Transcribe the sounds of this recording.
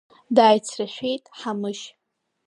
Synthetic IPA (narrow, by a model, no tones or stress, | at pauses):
daːjt͡sʰraʃʷᶣe̞jtʼħamɨʃ